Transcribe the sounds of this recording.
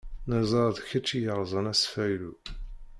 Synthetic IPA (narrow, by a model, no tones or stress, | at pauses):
næzˤɑɾðˤçət͡ʃːijəʁzˤɑnæsfæjlu